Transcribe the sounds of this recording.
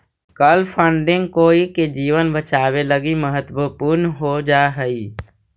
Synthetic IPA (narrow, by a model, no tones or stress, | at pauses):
kəlpʰə̃ɳɖɪ̃ŋɡkoːiked͡ʒiːwənbət͡ʃaːweləɡiməɦət̪wəpuːɾnɦod͡ʒaːɦəiː